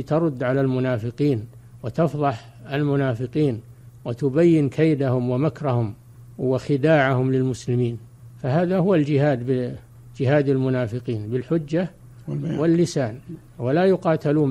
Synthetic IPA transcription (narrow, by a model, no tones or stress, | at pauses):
t̪ɑɾˤʊd̪ːʕalalmʊnaːfɪqiːn | wɪt̪ɑfðˤɑħ | almʊnaːfɪqiːnwɪt̪ʊbajːɪnkʰejd̪ahʊmwɪmakɾˤɑhʊm | wɪxɪd̪aːʕahʊmlɪlmʊslɪmiːn | faɦaːðahʊwald͡ʒɪhaːd̪bɪ | d͡ʒɪɦaːd̪almʊnaːfɪqiːnbɪlħʊd͡ʒːa | wɪlːɪsaːn | walajʊqɑːt̪aluːn